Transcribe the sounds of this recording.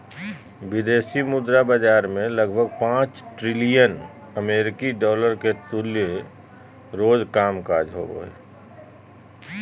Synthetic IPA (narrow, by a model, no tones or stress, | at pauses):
bɪd̪eːʃimʊd̪ɾabəd͡ʒaːɾmẽləɡbʱəɡpãːt͡ʃʈɾɪlijən | əmeːɾɪkiɖɔːləɾket̪ʊlje | ɾoːd͡ʒkaːmkaːd͡ʒɦo̰ɡo̰ːḛ